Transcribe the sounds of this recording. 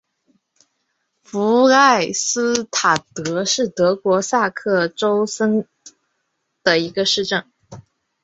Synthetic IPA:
fu˧˥a˥˩ɪsɹ̩˥t̪ʰa˨˩t̪ɤ˧˥ʂɻ̩˥˩t̪ɤ˧˥kwɔ˧˥sa˥˧kʰɤ˥˩ʈ͡ʂo˥ʊsə˥n | d̪̥ə˨i˧˥ɡə˧ʂɻ̩˥˧ʈ͡ʂə˥˩ŋ

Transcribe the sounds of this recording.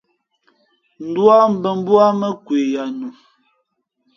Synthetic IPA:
n̩˦˨dwa˦m̩˨˦bə˨m˦bwa˦mə˦kwe˨ja˨nu˨

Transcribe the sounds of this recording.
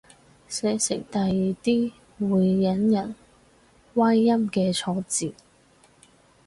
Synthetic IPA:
sɛː˨˥sɪ̰˨˩ŋt̪ɐ˨jːiː˨t̪iː˥ | wuː˨˧jːɐ˨˥njɐ˨˩n | waː˥jːɐ˥mkɛː˧t͡sʰɔː˧t͡siː˨

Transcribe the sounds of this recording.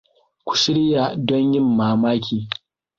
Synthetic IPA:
kʷu̥˨ʃɪ˦ɽɪ˦ja˨dɔ˦ɲjɪ˦mːaː˨maː˦kʲʰiː˨

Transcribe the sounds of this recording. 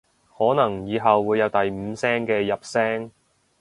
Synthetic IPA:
hɔː˨˥nɐ˨˩ŋjiː˨˧ɦɐ˨wːuː˨˧jːɐ˨˧wt̪ɐ˨jm̩˨˧sɛː˥ŋkɛː˧jɐ˨p̚sɛː˥ŋ

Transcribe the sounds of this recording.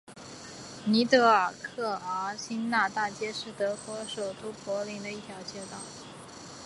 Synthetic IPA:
ni˧˥t̪ɤ˧˥ə˞˨˩kʰɤ˥˩ə˧˥ɕi˥nna˥˧t̪a˥˩t͡ɕjɛ˥ʂɻ̩˥˩t̪ɤ˧˥kwɔ˧˥ʂo˨˩ʊt̪u˥pwɔ˧˥li˧˥ŋd̪ə˧i˥˩t̪ʰjɑ˧˥ʊt͡ɕjɛ˥t̪wɑ˥˨˩

